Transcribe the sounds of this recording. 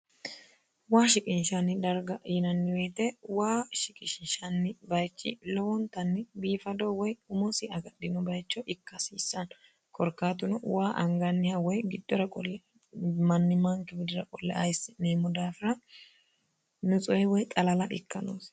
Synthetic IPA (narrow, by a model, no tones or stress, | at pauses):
waːʃɪkʼɪnʃɐnɪd̪ɐɾɡɐjɪnɐnːɪweːt̪ɛwaːʃɪkʼɪʃɪnʃɐnːɪbɐjt͡ʃːɪ̰lɔwɔnt̪ːɐnːɪbiːfɐd̪ɔwɔjʊmɔsɪɐɡɐɗɪnɔbɐjt͡ʃːɔʔɪkːɐsiːsːɐn | kʰɔɾkːaːt̪̬ʊnʊwaːʔɐŋɡɐnːɪhɐwɔjɡɪd̪ːɔɾɐkʼɔlːɛ | mɐnːɪmɐŋkːɛbɪd̪ɪɾɐkʼɔlːɛ̰ʔɐjsːɪneːmʊd̪aːfɪɾɐ | nʊt͡sʼɔjɛwɔjt̪ʼɐlɐlɐʔɪkːɐno̰ːs